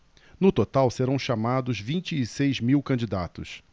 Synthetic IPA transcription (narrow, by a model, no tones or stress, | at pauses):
nʊt̪ot̪awseɾɐ̃w̃ʃamad̪ʊzvĩnt͡ʃɪːsejzmiwkɐ̃d͡ʒid̪at̪ʊ̰s